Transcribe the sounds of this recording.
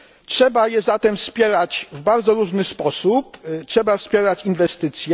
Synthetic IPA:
tʂɛbajɛzat̪ɛmfspʲjɛɾat͡ɕvbaɾd̪zɔɾuʐnɘspɔsuptʂɛbafspʲjɛɾat͡ɕinvɛst̪ɘt̪sʲjɛ

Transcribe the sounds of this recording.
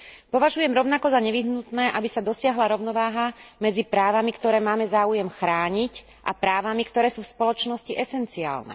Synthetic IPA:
pɔʋaʒujɛmɾɔʊnakɔzaɲɛʋiɦnut̪nɛːʔabisad̪ɔsɪaɦlaɾɔʊnɔʋaːɦamɛd͡zipɾaːʋamikt̪ɔɾɛːmaːmɛzaːujɛmxɾaːɲic | ʔa̰pɾaːʋamikt̪ɔɾɛːsuːfspɔlɔt͡ʃnɔsciʔɛsɛnt͡sia̰ːlnɛ̰

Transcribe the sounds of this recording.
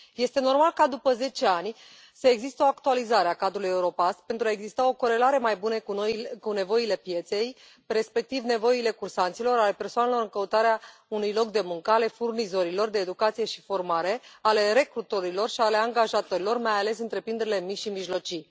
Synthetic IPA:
je̞st̪e̞no̞rmalkad̪upəze̞t͡ʃe̞anʲ | səeɡzist̪əo̞akt̪ualizaɾeakad̪ɾuluje̞uɾo̞past̪̚pe̞nt̪ɾuaeɡzist̪ao̞ko̞ɾe̞laɾe̞majbunəkune̞vo̞ile̞pje̞t̪se̞j | re̞spe̞k̚t̪ivne̞vo̞ile̞kursant̪silo̞ɾale̞pe̞rsoane̞lo̞ɾɨŋkəut̪aɾeaunujlo̞kd̪e̞muŋkəale̞furnizo̞ɾilo̞rd̪e̞ːd̪ukat̪sije̞ʃi̥fo̞rmaɾe̞ale̞ɾe̞kɾut̪o̞ɾilo̞rʃiale̞aŋɡaʒat̪oɾilo̞rmajale̞sɨnt̪ɾe̞pɾind̪eɾile̞miʃimiʒlo̞t͡ʃi

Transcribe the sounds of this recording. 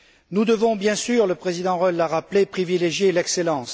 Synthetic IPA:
nud̪əvɔ̃bjɛ̃syʁləpχezid̪ɑ̃ʁɔlːaʁaplepχivileʒjelɛkselɑ̃s

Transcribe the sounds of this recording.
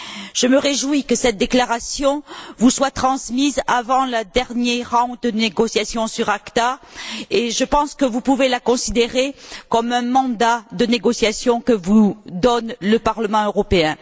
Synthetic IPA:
ʒ̥əməʁeʒwikəsɛt̪̚d̪eklaʁasjɔ̃vuswat̪χɑ̃smizavɑ̃lad̪ɛʁnjɛʁɑ̃d̪əeɡɔsjasjɔ̃syʁakt̪aeʒəpɑ̃skəvupuvelakɔ̃sid̪eʁekɔmɛ̃mɑ̃d̪ad̪əneɡɔsjasjɔ̃kəvud̪ɔnləpaʁləmɑ̃øʁɔpeɛ̃

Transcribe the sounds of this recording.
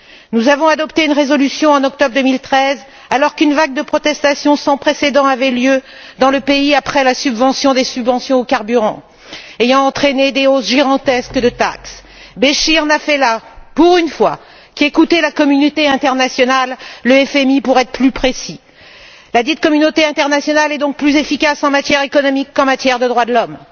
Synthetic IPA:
nuzavɔ̃ad̪ɔpt̪eynʁezɔlysjɔ̃ɑ̃nɔk̚t̪ɔbʁd̪əmilt̪χɛz | alɔʁkynvaɡ̚d̪əpχɔt̪ɛst̪asjɔ̃sɑ̃pχesed̪ɑ̃avɛljø | d̪ɑ̃ləpeiapχɛlasybvɑ̃sjɔ̃d̪esybvɑ̃sjɔ̃okaʁbyʁɑ̰̃ | ejɑ̃ːt̪χened̪eosʒiɡɑ̃t̪ɛskəd̪ət̪a̰ks | beʃĩnafɛlapuʁynfwa | kʲiekut̪ɛlakɔmynot̪eɛ̃t̪ɛʁnasjɔnalːəɛfɛmipuʁɛt̪χəplypχesi | lad̪it̪̚kɔmynot̪eɛ̃t̪ɛʁnasjɔnalɛd̪ɔ̃k̚plyzefikasɑ̃mat̪jɛʁekɔnɔmikːɑ̃mat̪jɛʁd̪əd̪ʁwad̪əlɔm

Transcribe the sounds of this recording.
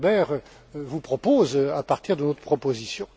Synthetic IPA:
bɛʁ | vupχɔpozapaʁt̪iʁd̪ənot̪χə̥pχɔpozisjɔ̃

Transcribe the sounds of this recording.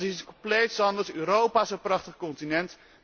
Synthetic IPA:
iskɔmplejtsɑndətyːɾowpaːɪsənprɑχtəχkɔntinɛnt

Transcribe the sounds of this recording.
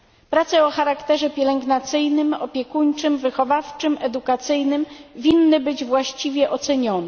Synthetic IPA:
pɾat̪sɛɔxaɾakt̪ɛʐɛpʲjɛlɛŋɡnat̪sɘjnɘmɔpʲjɛkuɲt͡ʂɘmvɘxɔvaft͡ʂɘmɛd̪ukat̪sɘjnɘmvʲinːɘbɘd͡ʑvwaɕt͡ɕivʲjɛʔɔt̪sɛɲɔnɛ

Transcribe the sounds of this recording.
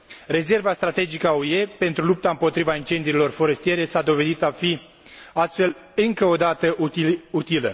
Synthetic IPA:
re̞ze̞rvast̪ɾat̪e̞d͡ʒikəauje̞pe̞nt̪ɾulup̚t̪aɨmpo̞t̪ɾivaint͡ʃe̞nd̪ilo̞rfo̞ɾe̞st̪ije̞ɾe̞sad̪o̞ve̞d̪it̪afi | ast̪fe̞l | ɨŋkəo̞d̪at̪əʔut̪ilə

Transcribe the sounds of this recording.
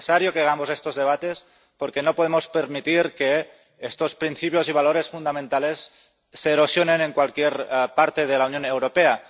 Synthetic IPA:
saɾjokeaɣ̞amosest̪ozðe̞β̞at̪es | poɾkenopoð̞emo̞speɾmit̪iɾke | est̪ospɾinθipjo̞ziβ̞aloɾe̞sfund̪amẽnt̪ale̞sː | eːɾosjoneneŋkwalkjeɾpaɾt̪eð̞elaunjonewɾopea

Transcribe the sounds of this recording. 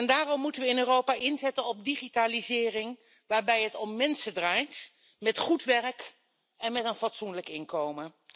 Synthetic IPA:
ɛndaːrɔmːutənʋəɪnøːrowpaːʔɪnzɛtənɔb̚diχitaːlizɪːrɪŋ | ʋaːɹbɛjɦətɔmmɛnsədraːjt | mɛtχutʋɛrk | ɛnmɛtənfɑtsunləkɪnkowmə

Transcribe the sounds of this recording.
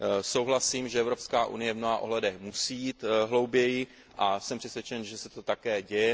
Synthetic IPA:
so̞wɦlasiːmʒɛɛvɾo̞pskaːʔṵnɪjɛvmnoɦaːʔoɦlɛdɛxmusijiːt̪ɦlowbjɛjɪ | ʔasɛmpr̥ɛsvjɛt͡ʃɛnʒɛsɛt̪o̞t̪akɛːɟɛjɛ

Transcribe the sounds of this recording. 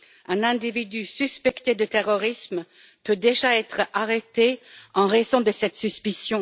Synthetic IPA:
ɛ̃nɛ̃d̪ivid̪ysyspɛkt̪ed̪ət̪eʁɔʁism | pød̪eʒaɛt̪χaʁet̪eɑ̃ʁezɔ̃d̪əsɛt̪syspisjɔ̃

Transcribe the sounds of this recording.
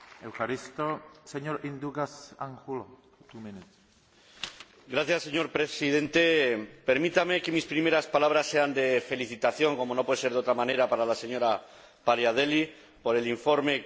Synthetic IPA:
ewxaɾist̪oseɲoɾind̪uɣasaŋxulo | t̪uminet̪ | ɡɾaθjasːe̞ɲo̞ɾpɾe̞sið̞e̞nt̪epe̞ɾmit̪ame̞ke̞mispɾimeɾaspalaβɾasːe̞and̪e̞fe̞liθit̪aθjo̞ŋko̞mo̞no̞pweeseɾðo̞t̪ɾamãne̞ɾapaɾalase̞ɲo̞ɾa | paɾjað̞e̞li | po̞ɾe̞liɱfo̞ɾme̞

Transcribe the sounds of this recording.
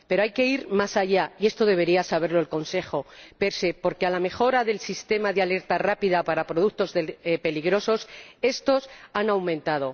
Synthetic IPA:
pe̞ɾoajke̞iɾmasaʝaie̞st̪o̞ð̞e̞β̞e̞ɾiasaβ̞e̞ɾlo̞elko̞nse̞xo̞pe̞ɾse̞po̞ɾkealame̞xo̞ɾaðe̞lsist̪e̞maðeale̞ɾt̪arapiðapaɾapɾo̞ðukt̪o̞zðepe̞liɣɾo̞so̞se̞st̪o̞sanawmẽnt̪að̞o̞

